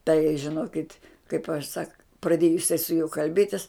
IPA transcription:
tɐɪ ʒʲɪˈnoːkʲɪtʲ kɐɪp ɐʃ sɐk prɐˈdʲeːjʊ jɪˈsɐɪ sʊ juɔ kɐlʲˈbʲeːtʲɪs

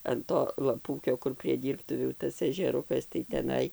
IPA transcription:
ɐn ˈtoː lˠɐˈpuːkʲoː kʊr pʲrʲiɛ ˈdʲiːrptʊʋʲuː ˈtɐs ɛʒʲɛˈrʊkɐs tɐɪ tʲɛˈnɐɪ

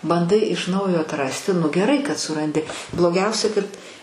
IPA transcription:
bɐnˈdɐɪ ɪʃ ˈnɐʊjoː ɐtˈrɑːsʲtʲɪ nʊ ɡʲɛˈrɐɪ kɐt sʊrɐnʲˈdʲɪ blˠoːˈɡʲɛʊsʲɛ kɐt

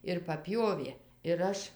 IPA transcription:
ɪr pɐˈpʲjoːʋʲeː ɪr ˈɐʃ

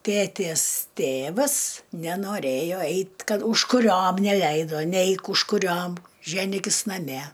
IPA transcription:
ˈtʲeːtʲeːs ˈtʲeːʋɐs nʲɛnoːˈrʲeːjoː ˈɛɪt ˈkɐt ʊʃkʊˈrʲoːm nʲɛˈlʲɛɪdoː ˈnʲɛɪk ʊʃkʊˈrʲoːm ˈʒʲæːnʲiːkʲɪs nɐˈmʲɛ

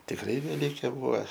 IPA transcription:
tʲɪkˈrɐɪ ʋʲɛˈlʲiːkʲeː ˈbuːʋɐ

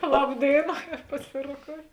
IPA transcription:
ˈlˠɐp ˈdʲeːɪnɐ pɐˈsʲɪroːˌkoːʊ

